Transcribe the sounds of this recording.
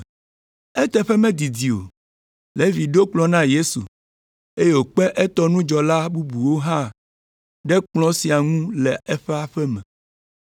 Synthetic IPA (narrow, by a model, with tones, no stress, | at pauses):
ɛ˦t̪ɛ˨ɸɛ˦mɛ̃˦d̪i˨d̪i˨o̰˨ | le˦vi˨ɖo˦k͡plɔ̃˨˦nã˦je˦sṵ˨ | e˦je˦˨wo˨k͡pɛ˦ʔɛ˦t̪ɔ˦nũ˦d͡ʒɔ˨la˦bu˦bu˨wo˦ɦã˦˨ | ɖɛ˦k͡plɔ̃˦si˨a˨ŋũ˦lɛ˨ɛ˦ɸɛ˦a˨ɸɛ˦mɛ̃˨